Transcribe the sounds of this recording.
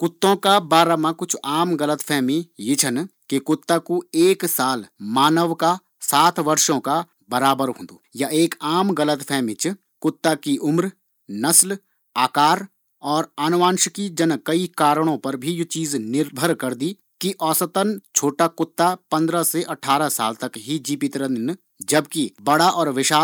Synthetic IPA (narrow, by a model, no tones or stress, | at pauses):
kʊt̪ːõkabaːɾamãkʊt͡ʃʰaːmɡɐlət̪pʰɛːmijɪt͡ʃʰənkekʊt̪ːakueːksaːlmaːnəʋka | saːt̪ʰʋɐɾʃõka | bɐɾaːbəɾɦõ̰ːnd̪o̰ːjaʔeːkaːmɡɐlət̪pʰɛːmĩt͡ʃ | kʊt̪ːakiʔʊmɾ | nɐsl | aːkaːɾ | ɔːɾaːnʋãːnʃkid͡ʒənkɐikaːɾɽ̃õpɐɾbʱijt͡ʃiːznɪɾbʱəɾkɐɾd̪i | kiʔɔːsət̪ənt͡ʃʰoːʈakʊt̪ːapɐ̃nd̪ɾaseʔɐʈʰːaːɾasa̰ːlt̪ɐkɦid͡ʒiːpɪt̪ɾən | d͡ʒɐbkibɐɽaʔɔːɾʋɪʃaː